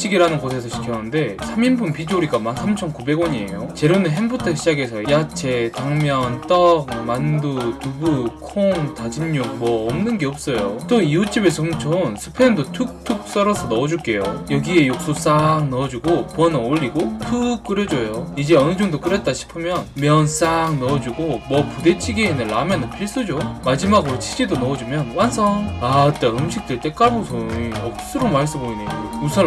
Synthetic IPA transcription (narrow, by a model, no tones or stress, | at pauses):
t͡ɕ͈ʰiɡiɾanɯnɡosʰe̞sʰʌɕʰi̥kʰjʌnɯnde̞sʰaminbunpid͡ʑoɾiɡamansʰamt͡ɕʰʌnkube̞ɡwʌɲiḛjot͡ɕe̞ɾonɯɦenbutʰʌkɕʰid͡ʑaɡe̞sʰʌjat͡ɕʰe̞taŋmjʌnt͈ʌk̚mandutubukʰoŋtad͡ʑinɲok̚mʌːmnɯnɡe̞ʌp̚s͈ʌjot͈oiut͡ɕ͈ʰibesʰʌmt͡ɕʰonsʰɯ̥pʰendotʰuk̚tʰuk̚s͈ʌɾʌsʰʌnʌʌd͡ʑuɭk͈e̞jo̰jʌɡie̞jok̚s͈os͈aŋnʌd͡ʑuɡopuʌnʌnoʎːiɡotʰuk̚k͈ɯɾjʌd͡ʑoejoid͡ʑe̞ʌnɯd͡ʑʌŋdok͈ɯɾet̚t͈aɕʰi̥pʰɯmjʌnmjʌns͈aŋnʌd͡ʑuɡomwʌpude̞t͡ɕʰiɡeɦenɯnlamenɯnpʰiɭs͈ɯd͡ʑomad͡ʑimaɡɯt͡ɕʰid͡ʑidonʌʌd͡ʑumjʌnwansʰʌŋat͈aɾomɕʰik̚t͈eɭt͈e̞k͈aɭbosʰoiʌk̚s͈ɯɾomaɭs͈ɯboineousʰʌ